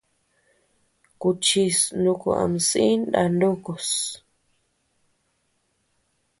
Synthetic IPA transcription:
ku˧t͡ʃi˧snu˧ku˧a̰˧˨m˨si˦nda˧˨ndu˦ko˨s

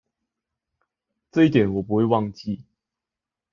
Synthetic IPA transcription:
ʈ͡ʂɤ˥˧i˥˩t̪jɛ˨˩˦nwɔ˨˩pu˧˦xwe˥˧ɪwɑ˥˧ŋt͡ɕi˥˨

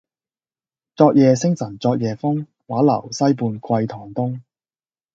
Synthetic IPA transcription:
t͡sɔː˧k̚jɛː˨sɪ˥ŋsɐ˨˩nt͡sɔː˧k̚jɛː˨fʊ˥ŋ | waː˨˥lɐ̰˨˩wsɐ˥jpuː˧nkʰwɐ˧jt̪ʰɔː˨˩ŋt̪ʊ˥ŋ

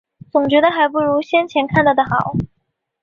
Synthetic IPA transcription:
t͡sʊ˨˩ŋt͡ɕɥɛ˧˥d̪ə˧xa˧˥ɪp̬u˥˩ɻu˧˥ɕjɛ˥nt͡ɕʰjɛ˧˥nkʰa˥˩nt̪ɑ˥˩ʊd̪ə˩xɑ˨˩˦ʊ

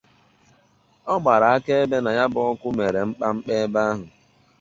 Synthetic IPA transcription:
ɔ˦ɡ͡ba˨ɾa˨a˦ke˦e˦be˦na˨ja˦bɔ˦ɔ˦kʷʊ˦me˨ɾe˨ŋ͡m̩˦k͡pa˦ŋ͡m̩˦k͡pe˦ba˦ɦʊ˨

